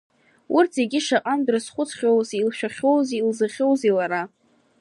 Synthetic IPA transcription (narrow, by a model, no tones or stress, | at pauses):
urtʰzeɡʲɪʂaqʼandrɨsχʷʊt͡sʰχʲowzilʃᶣaχʲowzilzɨχʲowzilaɾa